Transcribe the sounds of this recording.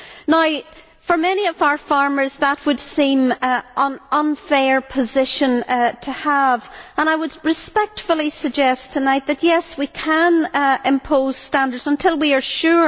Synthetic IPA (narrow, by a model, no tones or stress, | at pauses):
naʊ | fə˞mɛñiʌvaʊə˞fɑɹmə˞zðət̚wəd̥sĩmʔə̃nʔə̃nfɛɹpʰəzɪʃə̃ntʰəəvə̃ñaɪwəd̚ɹɨspɛk̚tfəl̩ˠisəɡ̚d͡ʒɛstʰənaɪt̪̚ðəʔjɛswikʰə̃nɪ̃mpʰoz̥stãndə˞dzə̃ntʰɪlˠwiə˞ʃʉɹ